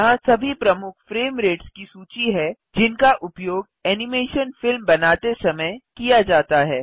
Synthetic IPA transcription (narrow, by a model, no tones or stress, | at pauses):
ɦãsɐbʱipɾɐmʊkʰfɾeːmɾeːʈskisuːt͡ʃiɦɛ | d͡ʒɪnkaʔʊpjoːɡ | ɛːnɪmeːʃənfɪlmbɐnaːt̪esɐməjkijad͡ʒaːt̪aɦɛː